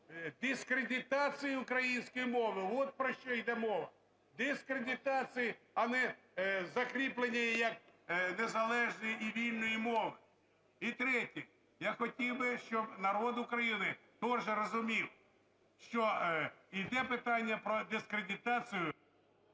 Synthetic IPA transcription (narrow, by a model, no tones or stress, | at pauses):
d̪ɪskɾedʲɪt̪ɑt͡sʲɨjiʊkɾɐjinʲsʲkɔjimɔʋɪʋɔt̪̚pɾɔʃt͡ʃɔid̪ɛmɔʋɐ | d̪ɪskɾedʲɪt̪ɑt͡sʲiji | ɐnɛ | zɐkɾʲiplˠenʲːijjɐknezɐlˠɛʒnɔjiiʋʲilʲnɔjimɔʋɪ | it̪ɾɛtʲi | jaxɔtʲiwbɪʃt͡ʃɔbnɐɾɔd̪ʊkɾɐjinɪt̪ɔʒɛɾɔzʊmʲiw | ʃt͡ʃɔid̪ɛpɪt̪ɑnʲːɐpɾɔd̪ɪskɾʲedʲɪt̪ɑt͡s̪ʲɨjʊ